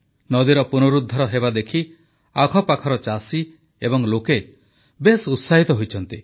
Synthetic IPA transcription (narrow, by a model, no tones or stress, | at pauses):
nɔd̪iɾɔpunuɾud̪ʱːɔɾɔɦebad̪ekʰi | aɡʱɔpakʰɔɾɔt͡ʃasi | ebɔŋloke | besut̪saɦit̪ɔɦojt͡ʃʰɔnt̪i